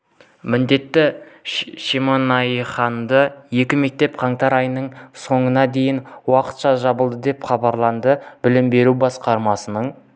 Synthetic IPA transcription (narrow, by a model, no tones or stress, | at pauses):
mɪnd̪e̞t̪ːɪ | ʃimonɑjχɑnd̪əje̞kʲɪme̞k̚t̪e̞p̚qʰɑɴt̪ɑɾɑjnəɴso̞ɴənɑd̪e̞jɪnwɑqə̥t̪ʃɑʒɑbəlˠd̪əd̪e̞pχɑbɑɾlˠɑnd̪əbɪlɪmbe̞ɾubɑsqɑɾmɑsənəɴ